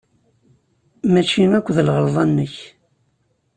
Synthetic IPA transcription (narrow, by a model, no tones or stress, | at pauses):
mæt͡ʃːinækʷːðəlʁəɾˤðˤɑnːəç